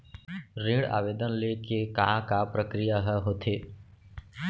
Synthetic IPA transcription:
ɾĩːɽa̰ːʋeːd̪ənlekekaːkapɾəkɾijaɦəɦot̪ʰeː

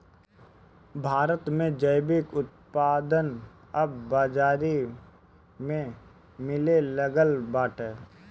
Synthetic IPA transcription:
bʱaːɾət̪mẽd͡ʒəɪbɪkʊt̪̚ | paːd̪ən | ɐbːaːd͡ʒaːɾi | mẽ | mɪleləɡəlbaːʈʰɛ

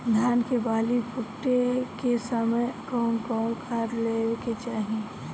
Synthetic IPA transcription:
d̪ʱjaːnkebaːlipʰʊʈekesəməjkaʊnkaʊnkʰaɾleket͡ʃaːɦi

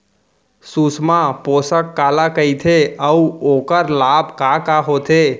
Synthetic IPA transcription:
susmaposəkːalakəjt̪ʰeəuokəɾlabʱkakaɦot̪ʰe

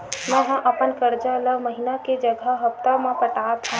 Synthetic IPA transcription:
mɛ̃ɦãʔɐpənkəɾd͡ʒalɐməɦinaked͡ʒɐɡʱəɦɐft̪amãpɐʈaːt̪ʰã

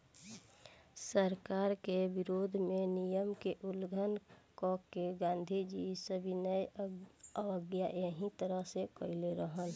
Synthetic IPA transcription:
səɾkaɾkebiɾod̪ʱmenijəmkeʔulɡʱənkɔkːeɡãnd̪ʱid͡ʒisəbʱinəj | əʋəɡjaʔjəɦĩt̪əɾəɦsekəɪleɾəɦəl

